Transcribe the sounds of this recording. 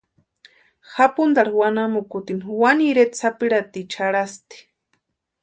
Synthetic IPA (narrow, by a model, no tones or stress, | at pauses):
xapund̪aɽawanamukut̪iniwaniɾet̪sapiɾat̪it͡ʃʰaɽast̪i̥